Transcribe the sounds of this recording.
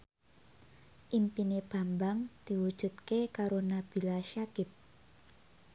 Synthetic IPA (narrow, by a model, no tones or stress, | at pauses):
ʔimpineb̥a̤mbaŋd̪̥i̤wud̥ʒ̥ṳt̪̚kekaɾonab̥i̤laʃakɪp̚